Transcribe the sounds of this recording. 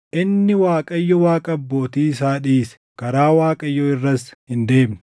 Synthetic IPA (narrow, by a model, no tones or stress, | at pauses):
ʔɪnːɪwaːkʼɐɪjːɔwaːkʼɐbːo̞ːt̪iːs̬aːᶑiːsɛ̥kɐɾaːwaːkʼɐjːɔɪrːɐshɪnd̪e̞ːmnɐ̥